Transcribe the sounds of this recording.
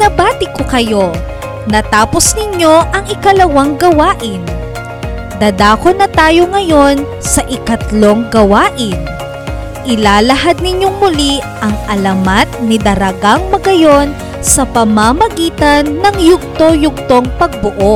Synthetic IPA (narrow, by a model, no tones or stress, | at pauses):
nɐbaːt̪ɪkokɐjo̞ | nɐt̪aːpo̞snɪɲo̞ʔɐŋɪkɐlɐwɐŋɡɐwaːʔɪn | d̪ɐːd̪aːkonɐt̪aːjo̞ŋɐjo̞n | sɐʔɪkɐt̪lo̞ŋɡɐwaːʔɪn | ʔɪlaːlɐɦad̪̚nɪɲjo̞ŋmʊliʔɐŋʔɐlɐmat̪̚nɪd̪ɐɾɐɡaŋmɐɡɐjo̞n | sɐpɐmamɐɡiːt̪ɐnːɐŋjʊɡ̚t̪o̞jʊɡ̚t̪o̞ŋpɐɡ̚bʊʔo